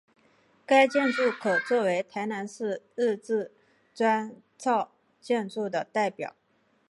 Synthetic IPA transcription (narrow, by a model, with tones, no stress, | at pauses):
ka˥ɪt͡ɕjɛ˥˧nʈ͡ʂu˥˩kʰɤ˨˩t͡swɔ˥˩we˧˥ɪt̪ʰa˧˥ɪna˧˥nʂɻ̩˥˧ɻɻ̩˥˧t͡sɹ̩˥˩ | ʈ͡ʂwa˥n | t͡sʰɑ˥˧ʊ | t͡ɕjɛ˥˧nʈ͡ʂu˥˩d̪ə˩t̪a˥˩ɪpjɑ̰˨˩˦ʊ